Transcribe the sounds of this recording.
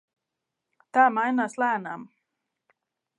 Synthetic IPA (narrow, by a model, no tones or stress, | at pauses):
t̪aːmajnaːslˠæːnam